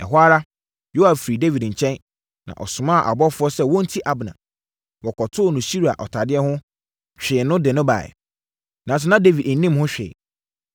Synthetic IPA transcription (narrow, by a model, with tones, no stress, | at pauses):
ɛ̰˨ɦwa˦ɾa˦ | jo˦ha˨ffɾi˨de˦vi˨dɲ̩˨t͡ɕʰɛ̃˦n | nã̰˨ʔɔ̰˨sʊ̃˨mã˦˨ʔa̰˨bɔ˦fʊ˦ɔ˦sɛ˦wɔ̃˦n̩˦tʰi˦ʔa˨bnã̰˨ | wɔ˨kɔ˨tʰʊ˦˨nʊ̃˨ɕi˦ɾa̰˨ʔɔ˨tʰa˨dɪ˦ɛ˦hʊ̃˦ | t͡ɕᶣɪ˨nʊ̃˦dɪ˨nʊ̃˦ba̰˨ɛ̰˨ | nã˨s̬ɪ˨nã˦de˦vi˨dɛ˨˦nĩ˦mhʊ̃˦ɕᶣḛ˨